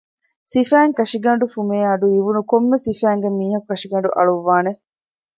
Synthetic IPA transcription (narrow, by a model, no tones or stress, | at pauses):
sifæːŋkɐʃiɡɐɳ̆ɖufumeːɐɖuiʋunukomːesifæːŋɡemiːɦɐkukːɐʂiɡɐɳɖuʔɐ̰ɭuʋːaːne